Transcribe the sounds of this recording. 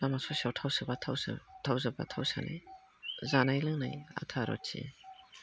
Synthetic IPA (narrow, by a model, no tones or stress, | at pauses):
amasɔsiawtʰawsɯbaawtʰawzaba̰tʰawsa̰na̰j | zanajlɯŋnaja̰tʰaɾɔ̰tsḭ